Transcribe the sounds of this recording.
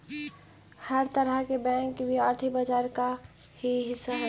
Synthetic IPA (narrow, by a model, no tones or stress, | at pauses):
həɾt̪əɾəkebɛ̃ŋkbʱiəɾt̪ʰibəd͡ʒaːɾkahiɦɪsːaɦɛ